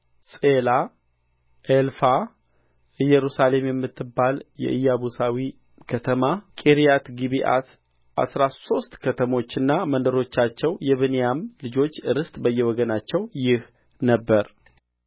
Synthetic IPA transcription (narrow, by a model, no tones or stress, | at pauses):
sʼela | ʔelfa | ɨjɛɾusale̞mjɛmːɨt̪ːɨbːaljɛ̰ʔɨjːaβusawi | kʰət̪ʰəmakʼeɾijat̪ɡiβiʔa̰t̪ | ʔa̰sɾaso̞st̪kʰət̪ʰəmo̞t͡ʃːɨnːamənd̪əɾo̞t͡ʃːat͡ʃːɛwjɛβɨnejamlɨd͡ʒo̞t͡ʃːɨɾɨst̪ʼbəjːɛwɔɡənat͡ʃːɛwjɪh | nəbːəɾ